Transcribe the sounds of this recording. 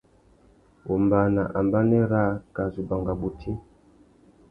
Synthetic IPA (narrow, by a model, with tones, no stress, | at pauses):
wʔɔ˨mba˨na˨ʔa˨mba˦nɛ˦ɾa˦ka˨zu˨ba˨ŋɡa˨bu˨tʰi˦